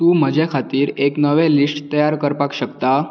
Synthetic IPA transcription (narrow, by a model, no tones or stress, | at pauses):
t̪uːm̤əd͡ʑʱekʰat̪iːɾeknəʋɛ̃lisʈt̪əjaɾkəɾpakɕəkt̪a